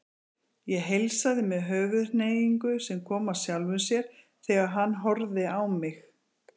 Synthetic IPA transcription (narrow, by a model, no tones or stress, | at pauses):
jɛɦejlsaðɪmɛðɦœːɣʏðneːjiŋkʏsɛmkʰɔːmawsjawlvʏnsjɛɾ̥ | θɛɣaðɦanːɦɔɾðɪawmɪx